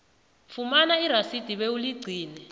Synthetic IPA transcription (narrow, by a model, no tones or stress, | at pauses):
fumanaiɾasid̥ʱiɓeuliɡ͡ǀʱiːnɛ